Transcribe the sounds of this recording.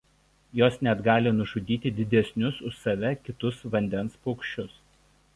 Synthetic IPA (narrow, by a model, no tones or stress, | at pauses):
joːsnʲɛd̪ɡɑːlʲɪnʊʒʊd̪ʲiːt̪ʲɪd̪ʲɪd̪ʲɛsʲnʲʊsʊʃsɐʋʲɛkʲɪt̪ʊsʋɐnʲd̪ʲɛnspɔʊkʃʲt͡ʃʲʊs